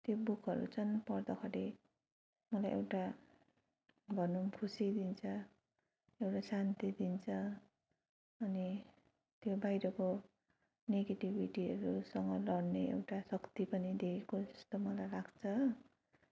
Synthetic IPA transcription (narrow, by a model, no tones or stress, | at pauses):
t̪jobukʰʌɾṵt͡sʰʌnpʌrd̪ʌkʰʌɾe | mʌlajʔḛwʈa | bʱʌnumkʰusid̪int͡sʰʌ | ewʈasant̪id̪int͡sʰʌ | ʌni | t̪jobajɾʌko | neɡeʈibʱiʈiɦʌɾusʌŋɡʌlʌɽneḛwʈasʌkt̪ipʌnid̪ekʰekod͡zʌst̪ʌmʌlajlaɡt͡sʰʌ